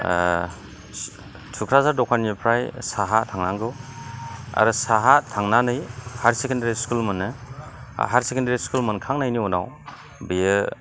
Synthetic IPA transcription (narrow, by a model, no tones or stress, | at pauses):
tʰukʰɾazaɾdɔkʰaɾnipʰɾajsaɦatʰaŋnaŋɡɯ | a̰ɾɯsaɦatʰaŋnanɯjhaɾsekendaɾiskulmɯnɯ̰ | ɦaɾsekendaɾiskulmənkʰaŋnajniuna̰w | bijɯ